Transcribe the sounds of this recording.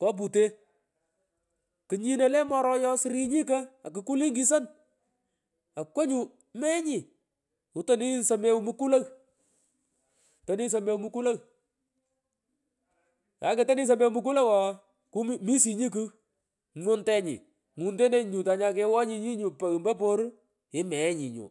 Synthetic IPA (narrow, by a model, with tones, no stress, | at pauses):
kɔ˦p̬u˨te˦ | kɨ˨ɲi˦ne˨˦lɛ˦mɔ˦ɾɔ˦jɔ˦sɾi˦ɲi˦kə˦a˨k̬ɨ˨ku˦li˦ŋɡi˦s̬ɐ˦n | a˨kwo˦ɲu˨ | mɛ˦ɲi˨ | ʊ˨˦to˦ni˦sɐ˨me˦wmu˦ku˦lɐ˦ɣ | to˨ni˦s̬ɐ˨me˦wmu˦ku˦lɐ˦ɣ | ja̰˨˦ke˨tɔ˦ni˦s̬ɐ˨me˦wu˦mu˦k̬u˦la˦wɔ˨ | ku˦m˦mi˦si˨ɲi˦k̬u˦ | ŋʊ˦ntɛ˦ɲḭ˨ | ŋu˨nde˦ne˦ɲu˨ta˨ɲa˦ke˦wɔ˦ɲi˧ɲi˦ɲu˨pa˨mbɐ˦po˦ɾ | ɪ˦mɛ˨˦ɲi˨ɲṵ˨